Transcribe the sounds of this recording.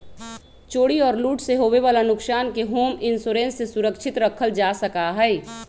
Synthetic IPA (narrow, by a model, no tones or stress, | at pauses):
t͡ʃoːɽiɔːɾluːʈseɦoːʋeʋaːlanʊksaːnkeɦoːmɪnsʊɾẽːnsːesʊɾəkʃʰɪt̪ɾəkʰəld͡ʒaːsəkaɦɛː